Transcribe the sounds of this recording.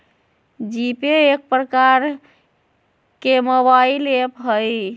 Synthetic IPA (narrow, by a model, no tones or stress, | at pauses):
d͡ʒipeek̚pɾəkaɾ | kemobailepɦəj